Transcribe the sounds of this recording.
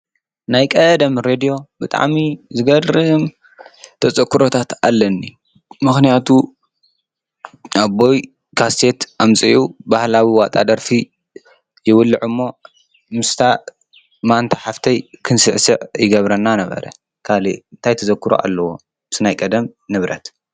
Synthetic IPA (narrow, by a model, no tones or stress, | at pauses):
najkʼɐd̪ɐmɾed̪ijo̞bɨt̪ʼa̰ʕmizɨɡɐɾɾɨm | t̪ʰɐt͡sʼɐkːɨɾo̞t̪ʰat̪alːɐnːi | mɨxnijat̪ʰu | ʔabo̞j | kʰast̪ʰe̞t̪ʔamt͡sʼiʕubahlawiwat̪ʼa̰d̪ɐɾfi | jɪwʊlːɨʕumːo̞ | mɨst̪ʰa | mant̪ʰaħaft̪ʰɐjkʰɨnsɨʕsɨʕjɪɡɐβɾɐnːanɐβɐ̰ɾɐ̰ | kʰalḭɨnt̪ʰajt̪ʰɐzɐkːɨɾo̰ʔa̰lːɐwo̞̰ | sɨnajkʼɐd̪ɐmnɨβɾɐ̰t̪